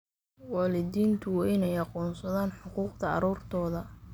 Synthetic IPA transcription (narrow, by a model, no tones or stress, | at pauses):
wɑːlɪd̪iːnt̪ʰʊɪnɛjɑqɔːnsɐðaːnħʊquːqd̪ʰɐɑ̰ɾuːrt̪ʰɔːðɐ